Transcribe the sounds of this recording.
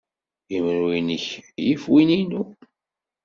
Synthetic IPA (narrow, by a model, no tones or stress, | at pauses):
imɾuinəçjifwininu